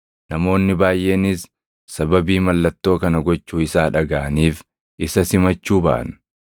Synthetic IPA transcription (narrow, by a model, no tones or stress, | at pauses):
nɐmo̞ːnːɪbaːjʔe̞ːnɪs | sɐbɐbiːmɐlːɐt̪ːo̞ːkɐnɐɡɔt͡ʃːuːɪsaːᶑɐɡaʔɐniːf | ʔɪsɐsɪmɐt͡ʃːuːbɐ̰ʔɐ̰n